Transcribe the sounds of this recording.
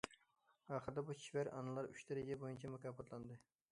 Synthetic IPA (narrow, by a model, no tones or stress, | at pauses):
ɑːχəɾd̪ɛbut͡ʃʰivæɾʔɑ̰nɨlˠɑɾyʃd̪æɾɪd͡ʒɛbojunt͡ʃʰɛmækɑpɑt̪lˠɑnd̪ɨ